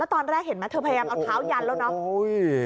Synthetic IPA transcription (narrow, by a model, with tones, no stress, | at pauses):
lɛ˦˥t̪ɔː˧nɾɛː˥˩k̚he˨˩˦nma˦˥t̪ʰɤ˧pʰːjaː˧mʔa˧wt̪ʰaː˦˥wja˧llɛː˦˥˩nɔ˦˥o˧˦j